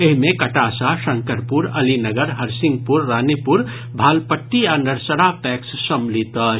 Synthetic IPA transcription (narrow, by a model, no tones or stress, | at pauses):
eɦmẽkɐʈaːsaʃəŋkəɾpuɾɐlinəɡəɾɦəɾsɪ̃ŋɡ̚puɾːaːnipuɾ | bʱaːlpəʈːianəɾsəɾapɛːkssəmlit̪ə